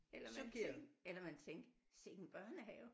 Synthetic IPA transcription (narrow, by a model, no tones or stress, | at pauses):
elɐmu̥elɐmænt͡sʰeŋɡ̥se̝̰ɡ̥n̩b̥ɶɐnəɦɛ̰ːʊ